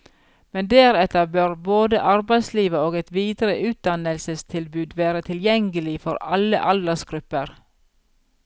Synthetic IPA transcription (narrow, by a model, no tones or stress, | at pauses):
mɛnd̪eːɾɛt̪əbøːɾboːd̪əʔɑɾbæɪsliːʋəoːɡɛt̪ʋiːd̪ɾəʔʉːt̪̚d̪ɑnəlsəst̪ʰɪlbʉːd̪ʋeːɾət̪ʰɪljɛŋɡəlɪfɔ̰ɾɑlə̰ʔɑld̪əsɡ̥ɾʉpːəɾ